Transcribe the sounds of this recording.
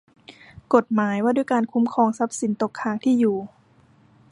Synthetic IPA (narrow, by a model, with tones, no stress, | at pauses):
ko˨˩t̪̚maː˩˦jwaː˥˩duː˥˩˨jkaː˧nkʰu˧˦˥mkʰɔː˧ŋsa˦˥p̚si˨˩˦nt̪o˨˩kʰːaː˧˩ŋt̪ʰiː˥˩juː˨˩